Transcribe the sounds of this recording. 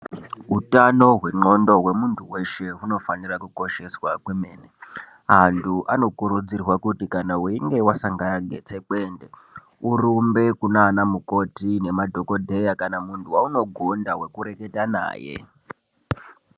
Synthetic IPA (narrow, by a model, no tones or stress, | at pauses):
ɦutano̞ɦwe̞ŋ͡ǃo̞ndo̞ɦwe̞muntʰuwe̞ʃe̞ɦuno̞fanirakuko̞ʃe̞swakwemeːne | ɦantʰuʔano̞kuɾud͡zirwakutikanauiŋɡe̞wasaŋɡaaɡʱe̞̰t͡se̞kwe̞ːnde̞ | urumbe̞kunaːnamuko̞tine̞madʱo̞ko̞dʱe̞jakanamuntuwauno̞ɡʱondaɦwe̞kuɾe̞ke̞tana̰ːje̞̰